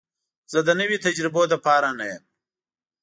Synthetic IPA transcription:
z̥əd̪ənəwit̪ad͡ʒɾɪbod̪ɐpɑːɾanajem

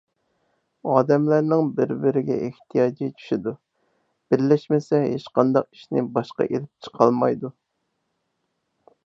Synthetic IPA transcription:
ɑːd̪ɛmlæɾnɪŋbɪɾbɪɾɪɡʲɛ̰ʔeht̪ʰijɑːd͡ʒit͡ʃʰy̥ʃid̪u | b̥ɪɾlɛʃmɪsɛɦeʃqɑnd̪ɑqi̥ʃnɪbɑʃqɑ̰ʔelɪp̚t͡ʃʰə̥qʰɑlˠmɑjd̪u

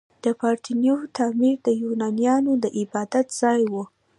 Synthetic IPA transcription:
d̪̥əpɑɾʈ̪injot̪ʰɑmiɾd̪əjunɑnjɑnod̪əʔɪbɑd̪at̪z̥ɑjwu

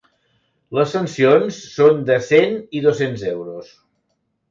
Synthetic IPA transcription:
ləsːənsionsːond̪əseniðosenzɛwɾus

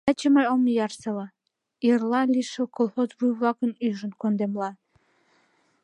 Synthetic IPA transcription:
ɑt͡ɕəməjomjɑrsəlɑ | irlɑlʲiʃəkolˠxozβujβlɑkənyʒənkond̪emlɑ

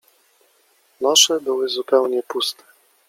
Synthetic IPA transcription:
nɔʂɛbɘwɘzupɛwɲɛpust̪ʰɛ̥

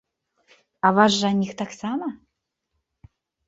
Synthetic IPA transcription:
ɐvaʂːanʲixt̪aksamɐ

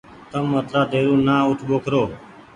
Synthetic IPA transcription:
t̪əmːət̪laːd̪eːɾũːnãːʊʈʰɓoːkʰɾoː

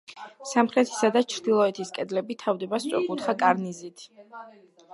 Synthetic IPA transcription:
samχɾɛt̪ʰi̥sad̪at͡ʃʰɾd̪ilˠɔɛt̪ʰiskʼɛd̪lɛbit̪ʰavd̪ɛbast̪sʼɔ̰χut̪χakʼaɾnizit̪ʰ

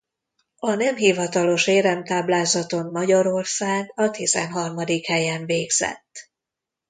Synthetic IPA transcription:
ɒnɛmɦivɒt̪ɒlo̞ʃeːɾɛmt̪aːblaːzɒt̪o̞mːɒɟɒɾo̞rsaːɡɒt̪izɛ̰nɦɒrmɒd̪ikhɛjɛɱveːɡz̥ɛ̰t̪ː

